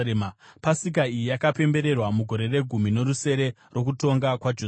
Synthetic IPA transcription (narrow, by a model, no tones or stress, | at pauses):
mpasik̬aijijakape̞mbe̞ɾe̞rwamuɡʱo̞ɾe̞re̞ɡʱumino̞ɾuse̞ɾe̞ | ro̞k̬uto̞ŋɡakwad͡ʒo